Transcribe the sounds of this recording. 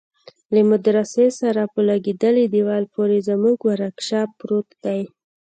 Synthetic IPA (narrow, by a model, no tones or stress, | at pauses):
ləmʊd̪ɾasesaɾapəlaɡed̪əled̪iwɑlpoɾezəmuɡwaɾakʃɑpɾot̪d̪̥aj